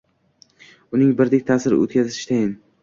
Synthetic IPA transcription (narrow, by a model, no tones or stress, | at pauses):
ʊnɪŋbɪɾd̪ɪk̚ʲt̪ʰaːsɪɾɪ̰o̰t̪̚kʲazɪ̥ʃt̪ʰajɪn